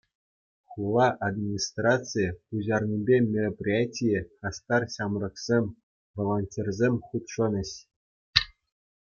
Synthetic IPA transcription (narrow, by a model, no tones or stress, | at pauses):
χulˠːɑʔad̪mʲinʲist̪rɑt͡sɨjəuʑɑrnʲibʲemʲeroprʲijatʲijɘɑst̪ɑrɕɑmrɤ̆ksʲemʲ | volˠonʲtʲerʲzʲemʲχut̪ʂɤ̆nʲɘ̆ɕ